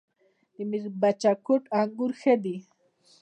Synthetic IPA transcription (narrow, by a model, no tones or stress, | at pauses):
d̪imiɾbat͡ʃakʊʈaŋɡuɾxed̪i